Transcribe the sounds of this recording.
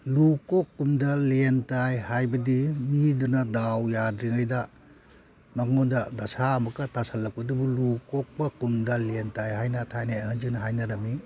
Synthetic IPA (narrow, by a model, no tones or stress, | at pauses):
lukɔkːumdɐlentajhajbɐdimidunɐdawjadɾiŋajdɐ | maŋɔndɐdasamɐkɐtasalɐp̚adubulukɔk̚bɐkumdɐlentajajnatʰajnajhɯnzik̚nɐɦajnɐɾɐmi